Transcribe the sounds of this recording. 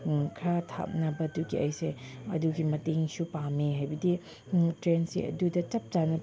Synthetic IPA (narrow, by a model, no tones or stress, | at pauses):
kʰɾatʰa̰p̚nɐbɐduɡiʔɐjseɐ̰duɡimɐteŋsupameɦajbɐdi | tɾensḭɐ̰dudɐt͡ʃɐp̚tanɐ